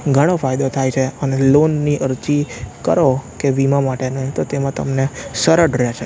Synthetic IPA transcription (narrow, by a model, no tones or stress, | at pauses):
ɡʱəɽ̃ofajd̪ot̪ʰajt͡ʃʰeənelonːiʔəɾt͡ʃikə̰ɾokeʋimãmaʈenəɦĩt̪ot̪emãt̪ə̰mnesəɾəɖɾet͡ʃʰe